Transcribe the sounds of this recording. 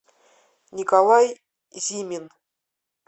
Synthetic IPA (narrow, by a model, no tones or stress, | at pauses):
nʲikalˠɑj | zʲimʲin